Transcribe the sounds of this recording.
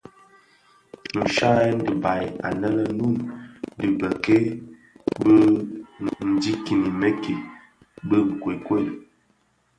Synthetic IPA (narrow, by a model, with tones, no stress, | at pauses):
nu˨ʃa˦ɛ˦n˦di˨ba˨ja̰˨nə˦lə˦nu˦˨ndi˨bə˨ke˦ | bə˦ | n̩˨di˦ki˨ni˨me˦ke˨ | bə˦˨kwe˨kwe˦˨l